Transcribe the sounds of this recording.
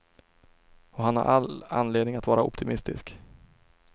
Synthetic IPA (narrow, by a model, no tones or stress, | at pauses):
ɔɦanha̰ɾʔa̰la̰nleːd̪nɪŋat̪vɑːɾaɔ̰pt̪ʰɪmɪst̪ɪsk